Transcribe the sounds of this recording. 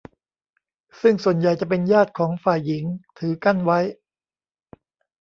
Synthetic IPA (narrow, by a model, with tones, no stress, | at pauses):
sɯ˥˩ŋsu˨˩ənja˨˩jt͡ɕa˨˩pe˧njaː˥˩t̪̚kʰɔː˩˦ŋfaː˨˩jːi˩˦ŋt̪ʰɯː˩˦ka˥˩nwa˦˥j